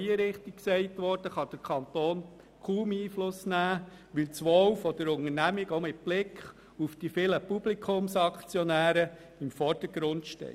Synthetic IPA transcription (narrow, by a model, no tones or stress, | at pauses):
iəɾɪχtik̚ksɛɪtʋɔrd̥əχɑd̥əɾkʰɑnt̪oːn | kʰuːmiːflʊsnæː | ʋɪlt͡sʋɔwfɔd̥əɾʊŋəɾnæmiɡomɪt̚b̥lɪkχ | ufd̥ifɪləpublikʰχʊmsɑkt͡sjɔnæːɾə | ɪmfɔɾd̥əɡ̥ɾʊntʃtɛ̰